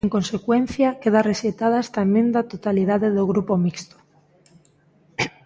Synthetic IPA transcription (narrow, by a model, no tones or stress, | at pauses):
ŋkonsekwen̟θjakeðareset̪aðaest̪aemẽnd̪at̪ot̪aliðaðeðoɣ̞ɾupomikst̪o̥